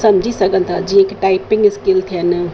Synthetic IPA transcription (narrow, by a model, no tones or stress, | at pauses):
sɐmd͡ʒʱisəkənt̪ʰad͡ʒiekʈaɪpiŋɡskilt̪ʰiənɨ